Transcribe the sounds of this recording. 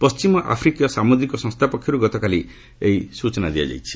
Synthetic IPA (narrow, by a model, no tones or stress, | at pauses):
pɔst͡ʃimɔʔa̰pʰɾikijɔsamud̪ɾikɔsɔ̃ŋst̪ʰapɔkʰjɔɾuɡɔt̪ɔkali | eisut͡ʃɔnad̪ija̰d͡ʒa̰jt͡ʃʰi̥